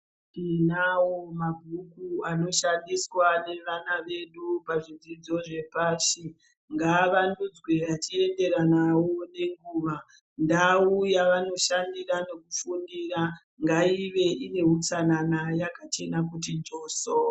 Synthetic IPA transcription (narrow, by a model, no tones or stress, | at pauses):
inawomaɡʱukuano̞ʃandiswane̞ʋanaʋe̞ɗupaʐid͡zid͡zo̞ʐe̞paʃi | ŋɡaʋandud͡zweʋat͡ʃie̞nde̞ɾanawone̞ŋɡuːʋa | ndaujaʋano̞ʃandirane̞kufundiɾa | ŋɡaiʋe̞ʔine̞ut͡sananajakat͡ʃe̞nak̬ut̬ind͡ʒoːso